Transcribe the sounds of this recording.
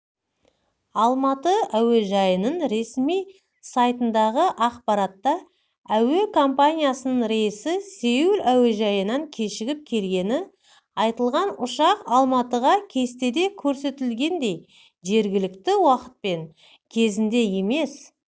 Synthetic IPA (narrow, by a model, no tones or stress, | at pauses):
ɑlˠmɑt̪əæweʒɑjənəɴɾe̞smij | sɑjt̪ənd̪ɑʁəʔɑqpɑɾɑt̪ːɑ | æwe̞kʰo̞mpanʲijasənəɴɾesɪsewɪlæweʒɑjənɑŋkʲʰe̞ʃɪɡʲɪp̚kʲʰe̞lɡʲe̞nɪ | ɑjt̪əlˠʁɑnʊʃɑqɑlˠmɑt̪əʁɑkʲʰe̞st̪e̞d̪e̞kʲʰɵɾse̞t̪ɪlɡʲe̞nd̪e̞j | ʒe̞ɾɡʲɪlɪkt̪ɪwɑqə̥t̪̚pe̞ŋ | kʲʰe̞zɪnd̪e̞je̞me̞s